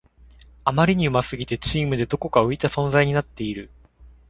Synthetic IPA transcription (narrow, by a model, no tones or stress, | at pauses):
amaɾʲiɲ̟iɯ̟masɨɡʲit̪e̞t͡ɕiːmɯ̟d̪e̞d̪o̞ko̞kaɯ̟it̪asõ̞nzaiɲ̟inat̪ːe̞iɾɯ̟